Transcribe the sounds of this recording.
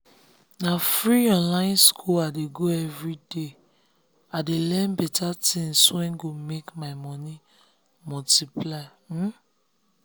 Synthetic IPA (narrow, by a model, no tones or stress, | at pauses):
nafɹiɔ̃nlãɪ̃nskʰuladeɡoɛvɹide | adelɛ̃nbɛtatʰĩŋswɛ̃nɡomekmaɪmɔ̃ni | mɔtiplaɪ | m̩